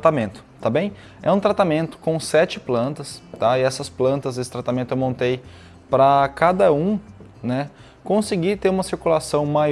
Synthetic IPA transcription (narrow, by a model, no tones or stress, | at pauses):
t̪amẽnt̪ʊ̥t̪abẽj̃ | ɛ̰ũt̪ɾat̪amẽnt̪ʊ̥kõw̃sɛt͡ʃɪplɐ̃nt̪ɐst̪aɪɛsɐsplɐ̃nt̪ɐzesɪ̥t̪ɾat̪amẽnt̪ʊewmõnt̪ej | pɾɐkad̪ɐũ | nɛ | kõsɪɡit̪eɾũmɐsiɾkulasɐ̃w̃maj